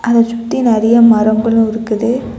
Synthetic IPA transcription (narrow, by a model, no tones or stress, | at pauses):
ʔɐðɛsʊt̪ːinɛɾɐjɐmɐɾɐŋɡɐɭʊ̃ɪɾɯkːɯðɯ